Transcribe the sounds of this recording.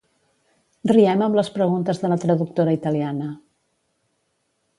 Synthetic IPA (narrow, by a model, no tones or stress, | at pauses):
riɛməmbləspɾəɣunt̪əzðələt̪ɾəðuk̚t̪oɾəit̪əlianə